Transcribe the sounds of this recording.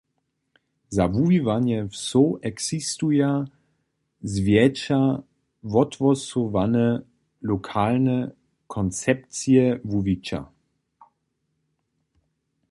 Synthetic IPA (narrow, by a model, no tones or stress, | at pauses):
zavuvivanjɛfsoʔɛksist̪uja | zvjɛt͡ʃa | vɔt̪vɔsɔvanə | lɔkʰalnə | kʰɔnt͡sɛp̚t͡siɛvuvit͡ʃa̰